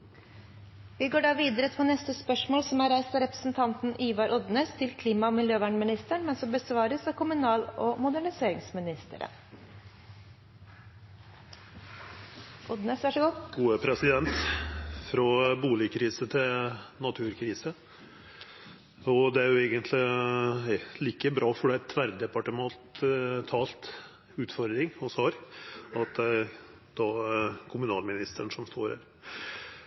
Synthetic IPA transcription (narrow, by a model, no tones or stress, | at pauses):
ʋɪɡoːɖɑːʋiːd̪əɾəp̪ʰɔnɛst̪əspœʂmoːlsɔmæɾæɪst̪ɑɾɛpɾə̥sn̩t̪ʰɑnt̪n̩ʔiːʋɑɾʔɔd̪nəst̪ʰɪlkʰliːmɑmɪljøːʋæːɳmɪnɪst̪əɳmɛnsɔmbəsʋɑːɾəsɑʋkʰʊmʉnɑːlɔmʊd̪æɳɪseːɾɪŋsmɪnɪst̪ə̰ɾə̰ | ʔɔd̪nəsʋæʂɔɡuɡ̥uːəpʰɾɛsɪd̪ɛnt̪fɾɑbuːlɪkʰɾiːsət̪ʰɪlnɑt̪ʰʉːɾkʰɾiːsə | ɔd̪ɛæɾjʊeːɡənt̪ʰlɪ | liːkəbɾɑːfɔɖɛæt̪ʰʋæɾd̪ɛpɑʈəmɑlt̪t̪ʰɑːlt̪ | ʉːt̪fɔɾd̪ɾɪŋɔsɑːɾɑt̪ | d̪̥ɑːkʰʊmʉnɑːlmɪnɪst̪əɳʂɔmst̪oːɾhæ̰ɾ